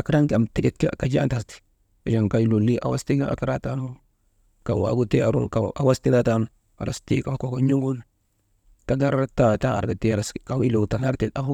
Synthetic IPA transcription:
a˨kɾa˦ŋka˨mti˦di˦tkika˨d͡ʒa˦nta˨sti̥˨ | a˨d͡ʒa˨ŋka˦lu˨lːi˦ʔa̰˨wa̰˦sti˦ɡa̰˨ka˦ɾa˦ta˦nu˦ | ka˨wa̰˨ɡu˦te˦a˨ɾo̰˨ka˨a̰˨wa˦sti˦da˦ta˦nu | a̰˨ɾa̰˨sti˦ka˨fko˦ko˦ɲu˦ɡu˦l | ta˦ɡa˦ɾta˦ta˦a̰˨ɾɡa˨ti˦˨ɾa˨ska˦wi˦lo˨ɡta˨na˦kti˨a˦f

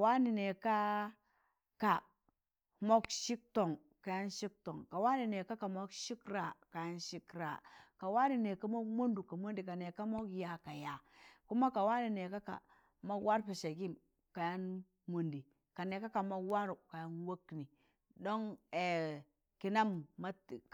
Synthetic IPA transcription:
ka˨wa˦ni˨ne˨ka˦ | ka˨ | mo˦kʃi˦k̚to˨ŋ | ka˨ja˦nʃi˦k̚to˨ŋka˨wa˦ni˨ne˨ka˦ka˨mo˦kʃi˦kɾa˨ka˨ja˦nʃi˦kɾa̰˨ka˨wa˦ni˨ne˨ka˦mo˦mu˦ndu˨ka˨mu˦ndi˨ka˨ne˨ka˦mo˦kja˨ka˨ja˨ku˦ma˦ka˨wa˦ni˨ne˨ka˦ka̰˨ | ma˦wa˦ɾpe˨ʃe˨ɡi˦m | ka˨ja˦n | mu˨ndi˨ | ka˨ne˨ka˦ka˨ma˦wa˦ɾu˨ka˨ja˦nwo˦kni˨ | do˦ŋe˨ | ki˨na˦mːa˦t

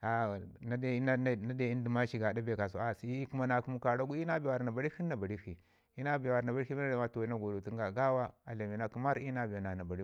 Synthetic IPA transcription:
a˨na˦de˦na˦na˦de˦˨i˦n˦di˨ma˦ʃi˨ɡa˨da˦be˨ka˨s̬o˨a˨si˨˦i˦ku˦ma˦na˨ku˦mu˦ka˨ɾa˦ɡu˦i˦na˦bi˨wa˨ɾna˨ba˨ɾi˦fi˦nː˦a˨ba˨ɾi˦fi˨ | i˦na˦bi˨jwa˨ɾna˨ba˨ɾi˦fi˦i˦a˦a˨ma˦to˨wi˦na˦ɡo˨do˨ti˦ɡa˨ɡa˦wa˦a˨le˨mi˨na˦ki˦ma˦ɾi˦na˦˨bi˨a˨na˨na˨ba˨ɾi˦

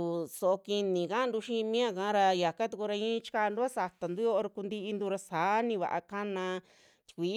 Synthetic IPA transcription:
u˨so˨ʔo˧ki˧nĩ˨ka˦˧d̪u˧ʃĩ˦˧mĩ˦ã˦˧˨kã˨˦ɾa˧ja˨ka˦t̪u˧ku˧ɾa˧ĩ˦˧t͡ʃi̥˦ka˧nd̪u˦a˦sa˧t̪a˨nd̪u˦jo˦o˧ɾku˧nd̪i˧ʔi˧nd̪u˧ɾa˧saː˨˦nĩ˧βa̰˨ʔa̰˧ka˦nã˧ | t̪ʲi̥˧kʷiː˨˦

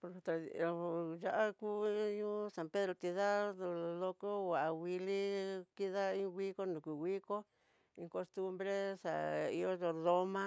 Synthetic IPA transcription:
po˨ɾo˨t̪a˨ja˧˦ʔa˦ku˦ɲũ˦sa˧pe˦ðɾo˧t̪i˧ða˦˧lo˧ko˦wa˨ʔa˨˧wi˧li˦ki˦ða˦ĩ˦ɣʷi˦ko˦nũ˨ku˨ɣi˦ko˦ | ĩ˧ko˧st̪u˧mbɾe˦sa̰˨i˧jo˦o˧ðo˦mã˦

